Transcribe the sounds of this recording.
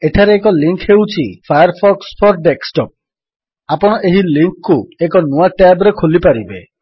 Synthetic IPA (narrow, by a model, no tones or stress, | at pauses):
eʈʰaɾeːkɔliŋkhewt͡ʃʰipʰajɔɾpʰɔkspʰɔɾɖeksʈɔp̚ | apɔɽ̃ɔʔeɦiliŋkːuekɔnuaʈabɾekʰolipaɾibe